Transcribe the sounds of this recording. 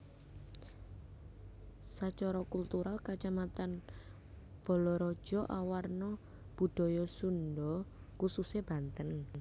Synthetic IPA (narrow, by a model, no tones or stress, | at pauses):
sat͡ʃɔɾɔkult̪uɾalkat͡ʃamat̪an | b̥ɔ̤lɔɾɔ̥d͡ʒ̥ɔ̤ʔawarnɔ | b̥ṳɖ̥ɔ̤jɔsundɔ | kususeb̥a̤nt̪ən